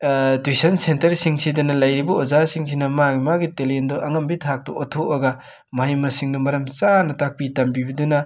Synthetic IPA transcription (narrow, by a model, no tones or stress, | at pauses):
twisɐnsentɐɾsiŋsidɐnɐlɐjɾibɐozasiŋs̬ʰinɐmaɡimaɡitelendɔʔɐŋɐmbitʰak̚tɔ̰ʔɔtʰoʔɐɡɐ | mɐɦajmɐsiŋdɔmɐɾɐmt͡ʃanɐtak̚pitɐmbibɐdunɐ